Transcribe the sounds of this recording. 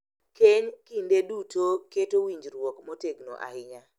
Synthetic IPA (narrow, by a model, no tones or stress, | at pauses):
keɲkindedutʰoketowiɲd͡ʒɾwɔkmɔteɡno̰ʔa̰hɪɲa